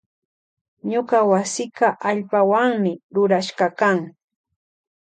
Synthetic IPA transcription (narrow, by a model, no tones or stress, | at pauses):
ɲoɢawasɪkɑʔaʎpawaŋmɪɾʊɾaʃɢɑkaŋ